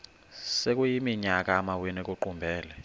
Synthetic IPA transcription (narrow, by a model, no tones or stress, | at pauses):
sek̬ʼujimiɲak̬ʼamawinik̬ʼuǃumbʱɛːlɛ